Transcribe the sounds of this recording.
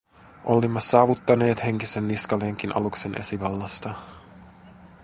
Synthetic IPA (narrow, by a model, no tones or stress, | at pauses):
ʔolimːɑsɑːʋut̪ːɑne̞ːt̪he̞ŋkise̞nːiskɑleːŋk̟inʔɑ̰lukse̞nʔḛsiʋɑlːɑst̪ɑ